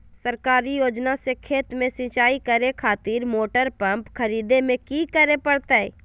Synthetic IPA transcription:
səɾkaːɾijoːd͡ʒnasekʰeːt̪mẽsĩːt͡ʃaːikəɾekʰaːt̪iːɾmoːʈəɾpə̃mpkʰɐɾiːd̪emẽkikəɾepəɽt̪aɛː

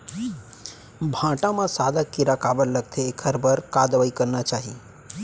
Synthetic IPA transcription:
bʱãʈãmãsad̪akiɾakabəlləɡt̪ʰeːkʰəɾbəɾkad̪ʋaikəɾnat͡ʃaɦi

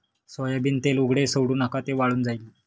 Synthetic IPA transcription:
sɔjabiːnt̪eluɡɽesəwɽuːnakat̪eʋaɭuːnd͡zajile

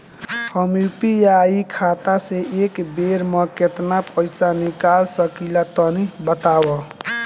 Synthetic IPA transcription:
həmjupijaːikʰat̪aseekbeɾməket̪napəɪsanikaːlsəkilat̪ənibət̪awə

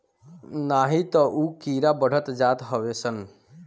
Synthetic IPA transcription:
naɦit̪əʔukiɾabəɽ̤ət̪d͡ʒat̪ɦəbesən

